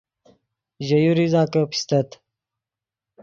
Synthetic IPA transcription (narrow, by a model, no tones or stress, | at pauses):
ʑɐjuɾizaːkəpi̥st̪ɐt̪